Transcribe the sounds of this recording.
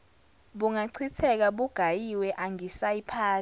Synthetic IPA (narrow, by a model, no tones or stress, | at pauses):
ɓuŋaǀʰitʰɛk̬aɓuɡ̥ʱajiwɛʔaŋisaipʰaː